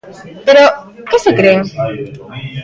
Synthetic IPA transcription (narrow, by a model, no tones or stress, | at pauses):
peɾo | kesekɾeŋ